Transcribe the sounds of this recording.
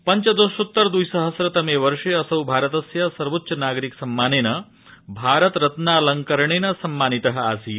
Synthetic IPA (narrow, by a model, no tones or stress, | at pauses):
pɐɲt͡ʃɐd̪usut̪ːɐɾd̪ujsɐɦɐsɾɐt̪ɐmeːʋɐɾʂeɐsɐɦubʱaːɾɐt̪ɐsjɐsɐɾʋɐt̪ːʃɐnaːɡɾiksɐmːaːneːnɐ | bʱaːɾɐt̪ɾɐt̪naːlɐŋkɐɾɳeːnɐsɐmːaːnit̪ɐɦɐ̆aːsi